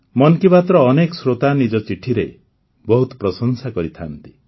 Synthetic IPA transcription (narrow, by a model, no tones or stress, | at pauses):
mɔnkipat̪ɾɔːnekɔsɾot̪anid͡ʒɔt͡ʃiʈʰiɾe | bɔɦut̪ɔpɾɔsɔnsakɔɾit̪ʰa̰nt̪i̥